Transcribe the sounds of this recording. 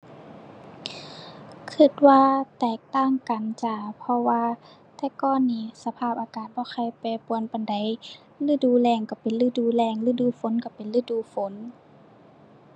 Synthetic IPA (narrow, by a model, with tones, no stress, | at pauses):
kʰɯ˧˩t̪̚waː˧t̪ɛː˧˨˩k̚t̪aː˧˥˨ŋka˨˩nt͡ɕa˧˩pʰɔ˧waː˧ | t̪ʰɛː˧˩kɔː˧˩˨nːiː˧˩sa˧pʰaː˧˩p̚ʔaː˧kaː˨˩t̪̚bɔː˧˦xʰa˧˩jpɛː˨˩pu˨ə˦npa˨nda˨j | lɯː˧˩duː˧˩˦lɛː˧˩˨ŋka˧˩pe˨nlɯː˧˥˩duː˧˩lɛː˧˩˨ŋlɯː˧˥˩duː˧˦fo˨˦nka˧˩pe˨nlɯː˧˩˨duː˧˩˦fo˨˦n